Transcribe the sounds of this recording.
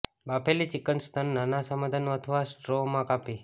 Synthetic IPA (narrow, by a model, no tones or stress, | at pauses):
bapʰelit͡ʃikənst̪ʰənːanasəmad̪ʱənũət̪ʰəʋasʈɾomãkapi